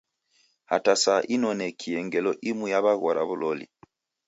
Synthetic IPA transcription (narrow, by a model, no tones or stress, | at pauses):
hatasaʔinɔnɛkʰiɛŋɡɛlɔʔimujaβaɣwaɾʔa̰βulɔlḭ